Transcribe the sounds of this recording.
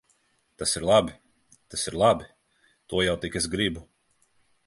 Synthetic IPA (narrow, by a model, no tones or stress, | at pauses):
t̪asiɾlˠabi | t̪asiɾlˠabi | t̪uɔjawt̪ikezɡɾibu